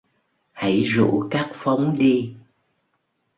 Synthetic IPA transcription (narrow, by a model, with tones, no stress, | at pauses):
ha̰˧˩jzṵ˧˥kaː˦˥k̚fa˨˦wŋ͡mɗi˧